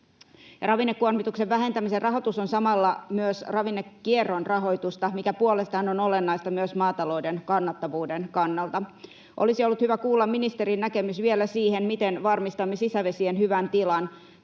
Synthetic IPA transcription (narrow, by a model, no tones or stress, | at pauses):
jɑɾɑʋinːekːuormit̪ukseʋʋæɦe̞nt̪æmiserrɑɦo̞t̪usonsɑmɑlːɑmyøsrɑʋinːekːierːonrɑɦo̞jt̪ust̪ɑmikæpuolest̪ɑhɑno̞no̞lenːɑjst̪ɑmyøsmɑːt̪ɑlo̞wdenkɑnːɑt̪ːɑʋuːdenkɑnːɑlt̪ɑ | ʔo̰lisio̞lːut̪hyʋækuːlːɑmminist̪eɾinːækemysʋielæsiːhenmit̪enʋɑrmist̪ɑmːesisæʋe̞sienhyʋænt̪ilɑn